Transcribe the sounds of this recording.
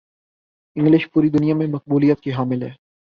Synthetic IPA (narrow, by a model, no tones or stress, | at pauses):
ɪ̃ŋɡlɪʃpuːɾid̪ʊnijamẽmɐq̚buːlijət̪kiɦaːmɪlɦɛː